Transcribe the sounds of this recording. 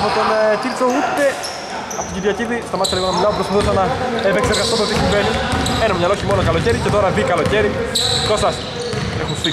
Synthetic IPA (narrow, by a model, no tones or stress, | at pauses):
ɐpot̪o̞nciɾt͡so̞ut̪ːe̞ | ɐft̪oɟibʝɐciðist̪ɐmɐsɐliɣonɐmilɐopɾospɐθusɐnɐepekseɾɣɐst̪omt̪ot̪isiɱvenie̞nɐmɲɐlooçimo̞nokɐlo̞ce̞ɾicet̪o̞ɾɐðikɐlo̞ce̞ɾi | kosɐs | exunst̪i